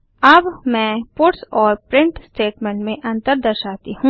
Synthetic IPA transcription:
ɐbmɛ̃ːpʊɾʈsɔːɾpɾɪ̃ɳʈsʈeːʈmẽɳʈmẽʔɐ̃nt̪əɾd̪ɐɾʃaːt̪iɦũː

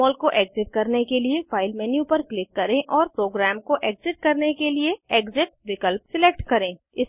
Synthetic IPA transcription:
ɔːlkoʔeːɡzɪʈ̚kɐɾnekeliefʰaːɪlmɛːnjũpɐɾklɪkːɐɾẽʔɔːɾpɾoːɡɾɛːmkoʔeːkzɪʈ̚kɐɾnekelieeːɡzɪʈ̚ʋɪkəlpsɪleːk̚ʈkɐɾẽː | ɪs

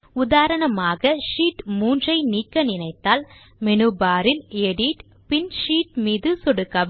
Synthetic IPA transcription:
ʊðaːɾɐɳɐmaːɣɐʂiːʈmuːndrɐɪniːkːɐnɪnɐɪt̪ːaːl | mɛnɯbaːɾɪleɽiʈ | pɪnʂiːʈ̚miːðɯsɔɽɯkːɐʋ

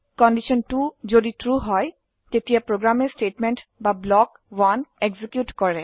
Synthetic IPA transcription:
kɔndisɔntuzoditɹuɦɔj | tetijapɹoɡɹamɛstetmɛntbablɔk | waneɡzikjutkɔɹɛ

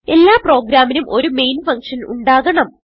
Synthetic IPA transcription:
e̞lːaːpro̞ːɡɾaːminumʔo̞ɾumejnfɐŋkʂɐnṵɳɖaːɣɐɳɐm

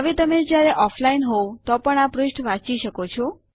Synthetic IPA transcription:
aʋet̪əmed͡ʒjaɾeʔɔfʰlainɦowt̪ɔpəɳapɾʊsʈʋãt͡ʃiʃəkot͡ʃʰɔ

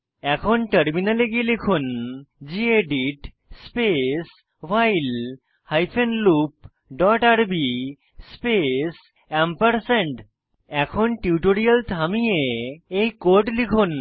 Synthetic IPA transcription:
ɛkʰonʈəɾminaleɡielikʰund͡ʑieɖiʈ | spes | wajl | hajpʰenlup̚ | ɖɔʈaɾbi | spes | ɛmpəɾseɳʈ | ɛkʰonʈiuʈoɾijalt̪ʰamieejkoɾʈlikʰun

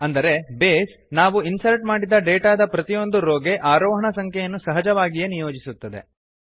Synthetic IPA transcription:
ɐnd̪ɐɾe̞beːs | naːʋuinsɐɾʈmaːɽid̪ɐɖeːʈaːd̪ɐpɾɐt̪ijo̞nd̪uɾoːɡe̞ʔaːɾɔːɦɐɳɐsɐŋkʰɛjɐnːusɐɦɐd͡ʒɐʋaːɡijenijo̞ːd͡ʒisut̪ːɐd̪e̞̰

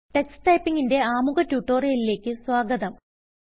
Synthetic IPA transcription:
ʈestɐjpːiŋɡinde̞aːmuɣɐtːjuʈːo̞ːrejɐlile̞ːkʲːɨswaːɡɐðɐm

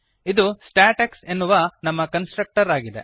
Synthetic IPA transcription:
id̪usʈaːʈɐksenːuʋɐnɐmːɐkɐnsʈɾɐk̚ʈɐɾaːɡid̪ḛ

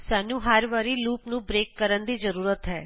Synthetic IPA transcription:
saːnũːɦəɾʋaːɾiluːpnũːbɾeːkːəɾənd̪iːzəɾuːɾət̪ɦɛ̰ː

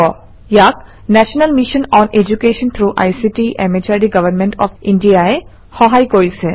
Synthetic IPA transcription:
ɔ | jak̚ | næʃənəlmiʃə̃nɔ̃ned͡ʒukeːʃə̃nt̪ʰɾuːʔa̰jsiʈiʔemet͡ʃaɖiɡɐʋəɾmẽɳʈɔ̰fĩɳɖiae | hɔɦajkojse

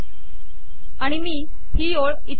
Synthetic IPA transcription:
aɽ̃imiː | t̪ʰiːoɭit̪

